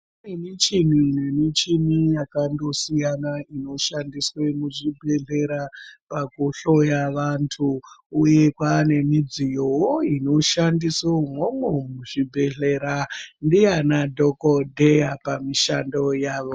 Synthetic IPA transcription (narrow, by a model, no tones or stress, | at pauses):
nemit͡ʃin̤inemit͡ʃinijakando̞sijanaino̞ʃandiswe̞muʐibʱe̞ɮe̞ɾapakuɬo̞jaʋantʰuːje̞kwane̞mid͡zijowoino̞ʃandisomwomomuʐibʱe̞ɮe̞ɾandijanadʱokodʱe̞japamiʃando̞jaːʋo